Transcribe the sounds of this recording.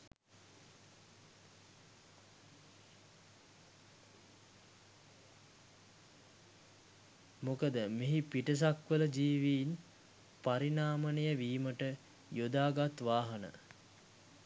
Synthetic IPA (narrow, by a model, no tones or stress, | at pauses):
mokəd̪əmeɦipiʈəs̬akʋələd͡ʒiːʋiːn | paɾinaːmənejəʋiːməʈə | jod̪aːɡat̪ʋaːɦənə̰